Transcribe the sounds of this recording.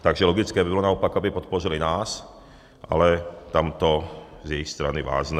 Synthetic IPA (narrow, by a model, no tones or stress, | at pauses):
t̪aɡʒɛlɔɡit͡skɛːbibɔlɔnaɔpaɡabipɔt̪̚pɔʒilinaːs | ʔa̰lɛt̪amt̪ɔ | zjɛixst̪ɾa̰niʋa̰ːznɛ